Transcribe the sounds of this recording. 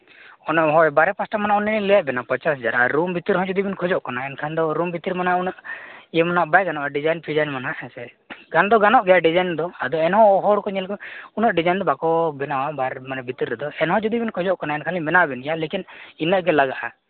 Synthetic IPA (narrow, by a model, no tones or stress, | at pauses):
ɔnɔɦɔjbaɾɛpasʈamanaʔɔnːɛlɛjaʔbɛnapɔt͡ʃasɛd͡ʒaɾaɾːumbit̪iɾɦɔ̃d͡ʒud̪ibinkʰɔd͡ʒɔʔkanaɛnkʰand̪ɔɾumbit̪iɾmanaʔunɔʔijemanaʔbajɡanɔʔaɖid͡ʒajnpʰid͡ʒajnmanaʔɛsɛ | ɡand̪ɔɡanɔʔɡɛjaɖid͡ʒajnd̪ɔad̪ɔɛnɦɔ̃ɔɦɔɽkɔɲɛlkɔunɔʔɖid͡ʒajnd̪ɔbakɔbɛnawabaɾmanɛbit̪iɾːɛd̪ɔɛnɦɔ̃d͡ʒud̪ibinkʰɔd͡ʒɔʔkanaɛnkʰanlibɛnawabɛnɡɛjalekininːəʔɡɛlaɡaʔa̰